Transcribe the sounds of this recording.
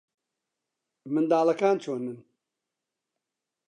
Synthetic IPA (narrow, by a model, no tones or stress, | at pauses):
mɨnd̪aːlˠɐkaːnt͡ʃʰoːnɨn